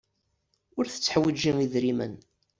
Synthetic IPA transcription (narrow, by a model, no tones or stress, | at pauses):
ʊɾθə̥t͡sːə̥ħwid͡ʒiŋiðɾimə̰n